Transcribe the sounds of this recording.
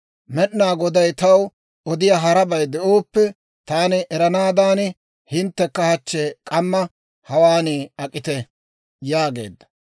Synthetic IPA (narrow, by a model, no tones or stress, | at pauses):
mɛɗnaːɡɔd̪ɐjt̪ɐw | ɔd̪ɪjaɦɐɾɐbɐjd̪ɛoːpːɛ | t̪aːnɪʔɛɾɐnaːd̪aːnɪ | hɪnt̪ːɛkːɐhɐt͡ʃːɛkʼɐmːɐ | hɐwaːniːɐkʼːɪt̪ɛ | jaːɡe̞̰ːd̪ːɐ̥